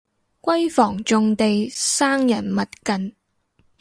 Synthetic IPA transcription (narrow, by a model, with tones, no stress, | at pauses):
kʷɐ˥jfɔː˨˩ŋt͡sʊ˨˧ŋt̪e˨jsaː˥ŋjɐ˨˩nmɐ˨t̚kɐ˨n